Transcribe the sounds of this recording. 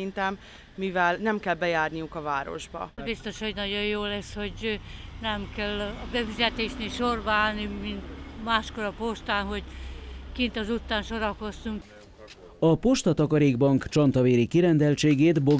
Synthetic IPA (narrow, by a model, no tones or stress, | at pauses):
int̪ɛmː | ivɛlnɛmkɛlbɛjaːrnijukɒvaːɾo̞̰ʒbɒ̰bist̪o̞ʃho̞ɟnɒɟo̞jjoːlɛsho̞ɟnɛmkɛlɒbɛfizɛt̪eːʃneːlʃorbɒaːlnimint̪maːʃkoɾɒpoʃt̪aːnɦo̞ɟkint̪ɒzut̪ːaːnʃo̞ɾɒko̞st̪uŋk | ɒpoʃt̪ɒt̪ɒkɒɾeːɡbɒŋkt͡ʃɒnt̪ɒveːɾikiɾɛnd̪ɛlt͡ʃeːɡeːt̪bo